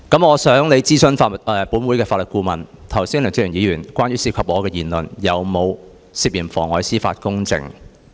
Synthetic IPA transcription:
kɐ˨˥mɔː˨˧sœː˨˥ŋle˨˧jt͡siː˥sɵ˥nfaː˧mʊ˨˩t̚ʔɛː˧puː˨˥nwu˨˧jkɛː˧faː˧tlə˨t̚kuː˧mɐ˨˩nt̪ʰɐ˨˩wsiː˥ŋnlœː˨˩nt͡si˥jyː˨˩njiː˨˧jyː˨˩nkʷaː˥nɥyː˧˥siː˧kʰa˨˧p̚ɔː˨˧kɛː˧jiː˨˩nlɵ˨˩njɐ˨˧wmo˨˧w | si˧p̚ji˨˩nfɔ̰ː˨˩ŋɔː˨˧jsiː˥fa̰ː˧t̚kʊ˥ŋt͡sɪ̰˨˧ŋ

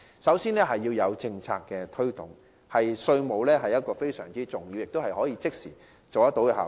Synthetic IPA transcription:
sɐ˨˥wsiː˥nlɛː˥ɦɐ˨jːiː˧wjɐ˨˧wt͡sɪ˧ŋt͡sʰa̰ː˧kːɛː˧t̪ʰɵ˥ɥt̪ʊ˨ŋ | hɐ˨jsɵ˧ɥmo˨˧wlɛː˥ɦɐ˨jɐ˥t̚kɔː˧fe˥jsœ̰ː˨˩ŋt͡siː˥t͡sʊ˨ŋji˧wjɪ˨k̚t̪o˥whɐ˨jhɔː˨˥jiː˧t͡sɪ˥k̚siː˨˩ | t͡so˨wɐ˥t̪o˨˥wɛ˧ha̰ː˨

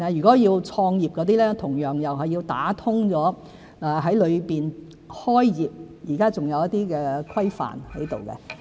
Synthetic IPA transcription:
jy˨kɔː˨˥jiː˧wt͡ʃʰɔː˧ŋjiː˨˩p̚kɔː˨˧˥t̪iː˥lɛː˥t̪ʰʊ˨˩ŋjœː˨˩ŋjɐ˨˩wɦɐ˨jiː˧wt̪a̰ː˨˥t̪ʰʊ˥ŋt͡sɔː˨˥ | aː˨ɦɐ˨˥jlɵ˨˧ɥpiː˨n | hɔː˥jjiː˨p̚jiː˨˩kaː˥t͡sʊ˨ŋjɐ˨˧wjɐ˥t̪iː˥kɛː˧kʰɐ˥jfa̰ː˨nhɐ˨˥jt̪o˨wkɛ̰˧

